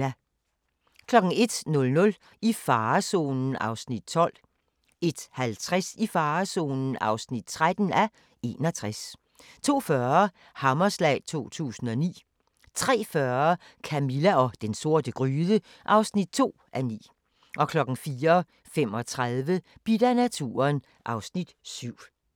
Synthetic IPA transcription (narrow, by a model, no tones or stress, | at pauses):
kʰlɒ̽ɡ̥ŋ̩e̝d̥nɔ̽lnɔ̽l | ifɑ̈ːso̝̰ːnn̩ʔɑ̈ʊsnid̥̚t͡sʰɒ̽l̰ | e̝d̥hælt͡sʰʁasifɑːso̝̰ːnn̩ɑ̈ʊsnid̥̚t͡sʰʁad̥n̩æ | e̝̰ːnɒt͡sʰʁas | t͡sʰo̝̰ːfɶɐɐ | hɑmɐslɛ̰ɪt͡sʰo̝̰ːt͡sʰṵːsn̩ɒ̽nḭː | t͡sʰʁɛ̰ːfɶɐɐ | kʰæmilæɒ̽d̥enso̝ɐ̰d̥əɡ̥ʁyːðˠə | ʔɑ̈ʊsnid̥̚t͡sʰo̝̰ːʔænḭː | ʔɒ̽kʰlɒ̽ɡ̥ŋ̩fiːɐ | fem̰ɒ̽t͡sʰʁaðˠʋəb̥id̥ænæt͡sʰṵːɐn | ʔɑ̈ʊsnid̥syʊ̰